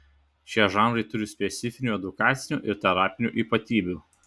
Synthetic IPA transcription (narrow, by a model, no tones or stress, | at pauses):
ʃʲiɛʒɑːˑnɾɐɪt̪ʊɾʲɪsʲpʲɛt̪sʲɪfʲɪnʲuːɛd̪ʊkɑːt̪sʲɪnʲṵːʔɪɾt̪ʲɛɾɑːpʲɪnʲṵːˑʔiːpɐt̪ʲiːbʲuː